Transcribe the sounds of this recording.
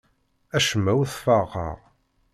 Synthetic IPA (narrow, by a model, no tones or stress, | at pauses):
æʃəmːæwθfɑʁə̰ʁ